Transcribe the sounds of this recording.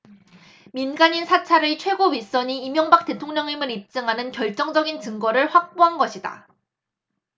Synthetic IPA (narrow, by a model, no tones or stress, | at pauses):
minɡaɲinsʰat͡ɕʰaɾɯt͡ɕʰwe̞ɡoɥis͈ʌɲiːmjʌŋbak̚t͈e̞tʰoŋɲʌŋɲimɯɾip̚t͡ɕ͈ɯŋɦanɯnkjʌɭt͡ɕ͈ʌŋd͡ʑʌɡint͡ɕɯŋɡʌɾɯɭɸwak̚p͈oɦanɡʌɕʰida̰